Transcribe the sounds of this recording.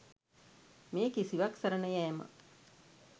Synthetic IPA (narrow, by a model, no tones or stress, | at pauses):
meːkisiʋaksəɾənəjɛːmə̰